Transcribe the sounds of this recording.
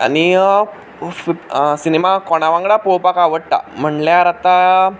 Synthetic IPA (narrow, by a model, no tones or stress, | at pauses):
a̰ni | fsinemakɔɽ̃aʋãŋɡɽapowpakaʋəɽ̚t̪a̰m̤əɳljaɾat̪a